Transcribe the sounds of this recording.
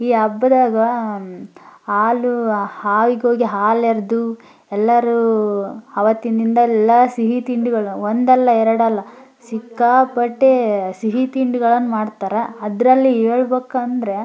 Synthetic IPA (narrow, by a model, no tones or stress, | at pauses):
iːɐbːɐd̪aːɡɐ | aːluhaːʋiɡeɦo̞ːɡiɦaːlɛɾd̪u | ɛlːɐɾu | ɐʋɐt̪ːind̪ind̪ɐɛlːasiɦit̪iɳɖuɡɐɭɐond̪ɛlːɐɛɾɐɽɐlːɐ | sikːaːpɐʈːesiɦit̪iɳɖuɡɐɭɐnːumaːɖt̪aːɾeɐd̪ɾɐlːiɦeːɭbeːkːɐɐnd̪ɾe̞